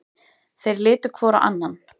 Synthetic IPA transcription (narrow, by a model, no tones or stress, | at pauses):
θejɾlɪːt̪ʏ̥kʰvɔːɾa̰ʔa̰nːan